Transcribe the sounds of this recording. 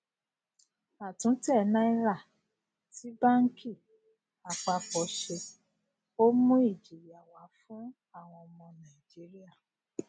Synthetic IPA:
a˨tũ˨˦tɛ˦˨˦nã˦i˦ɾa˦˨ | ti˨˦ba˦ŋ̩˦kʰi˦˨ | a˨k͡pa˧k͡pɔ˨˦ʃe˧ | o˦mũ˦i˦˨d͡ʒi˨ja˨wa˨˦fũ˦ | a˦˨w̃ɔ̃˧ɔ˧mɔ̃˧nã˨i˨d͡ʒi˨˦ɾi˦a˦˨

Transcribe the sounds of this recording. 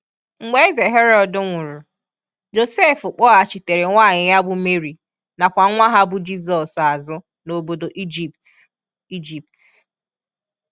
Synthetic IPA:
ŋ͡m̩˨ɡ͡be˦ɪ˦ze˨ɦe˦ɾɔ˦dʊ˨ŋʷʊ˨ɾu˨ | d͡ʒo˨se˦˨fʊ˨k͡pɔ˦a˨t͡ʃi˨te˨ɾe˨ŋʷaː˦˨ɲɪ˨ja˦bʊ˦me˦ɾi˨ | na˨kʷa˨˦ŋʷa˦ɦa˦bʊ˦d͡ʒi˦sɔ˨sa˨zʊ˦ | no˨bo˨do˨ʔi˦d͡ʒi˨pt | i˦d͡ʒi˨p̚t

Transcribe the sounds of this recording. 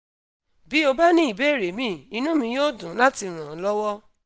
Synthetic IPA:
bi˨˦o˧ba˦nĩ˦i˨be˦˨ɾe˨˦mĩ˦˨i˧nũ˦mĩ˧joː˦dũ˨˦la˦ti˧ɾ̃ã˨˦lɔ˦wɔ˦

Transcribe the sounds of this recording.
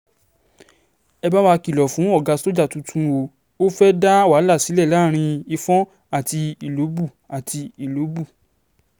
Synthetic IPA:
ɛ˧ba˦wa˧ki˨lɔ˨fũ˨˦ɔ˦˨ɡa˨˧so˦d͡ʒa˦˨tũ˨˧tʰũ˦wo˨˦ | o˦fɛ˦da˦wa˨˦la˦˨si˨˦lɛ˦˨la˦ɾ̃ĩ˧i˧fɔ̃˦ | a˦˨ti˧i˨lo˨˦bu˦˨ | a˨tʰi˧i˨lo˨˦bu˦˨

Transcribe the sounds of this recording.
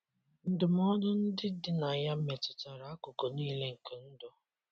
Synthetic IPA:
n̩˦˨dʊ˨m˦ɔ˦dʊ˦n̩˦dɪ˦dɪ˦na˨ja˦me˨tʊ˨ta˨ɾa˨a˦kʊ˨ko˨niː˦le˦ŋ̩˨ke˨n̩˦dɔ˨

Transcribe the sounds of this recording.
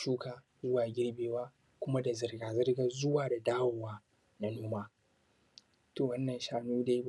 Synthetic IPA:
ʃuː˦kaː˨ | zʊ˦waː˨ɡʲɪ˦ɽbeː˨waː˦ | kʷʊ˦ma˦da˨zɪ˨rɡaː˨zɪ˦rɡa˨zʊ˦waː˨da˨daː˦wo˨waː˦ | na˦noː˦maː˦ | toː˨wɐ˦nːɐ˨nʃaː˦nuː˦da˦j

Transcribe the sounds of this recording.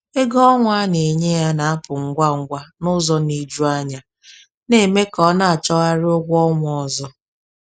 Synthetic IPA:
e˦ɡɔ˦ŋʷ˦a˦ne˨ɲe˦ja˦na˨a˦pʊ˨ŋ̩˦ɡʷa˦ŋ̩˦ɡʷa˦nʊ˦zɔ˦ni˨d͡ʒu˦a˦ɲa˨ | ne˨me˦kɔ˦na˦a˨t͡ʃɔ˦ɣa˦ɾɪ˦ʊ˦ɡʷɔ˦ŋʷ˨ɔ˨zɔ˦

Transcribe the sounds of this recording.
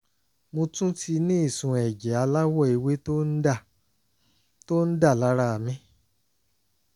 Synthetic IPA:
mõ˧tũ˦ti˧nĩ˦i˦˨sũ˨ɛ˨d͡ʒɛ˨˦a˧la˦wɔ˦˨i˨˧we˦to˦a˦˨ | to˦n̩˦da˦˨la˨˦ɾa˦˨a˨mĩ˨˦

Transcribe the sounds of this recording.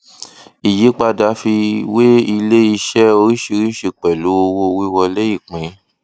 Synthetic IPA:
i˨ji˨˦k͡pa˧da˨˦fi˧we˦i˧le˦i˧ʃɛ˦o˧ɾi˦ʃi˧ɾi˦ʃi˦˨k͡pɛ˨lo˨˦o˧wo˧wi˦wɔ˧lɛ˦ji˦˨k͡pĩ˨˦

